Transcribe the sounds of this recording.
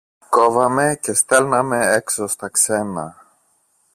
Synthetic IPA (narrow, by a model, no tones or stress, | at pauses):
kovɐme̞ce̞st̪elnɐmeeksost̪ɐksenɐ̰